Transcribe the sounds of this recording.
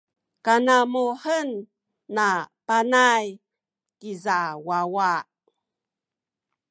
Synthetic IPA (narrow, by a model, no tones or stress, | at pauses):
kanamuħənː | apanaj | kizawawaʔ